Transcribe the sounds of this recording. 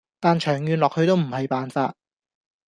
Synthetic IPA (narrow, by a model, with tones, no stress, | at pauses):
t̪aː˨nt͡ʃʰœː˨˩ŋjyː˨nlɔː˨k̚hɵ˧ɥt̪o˥wm̩˨˩hɐ˨jpaː˨nfa̰ː˧t̚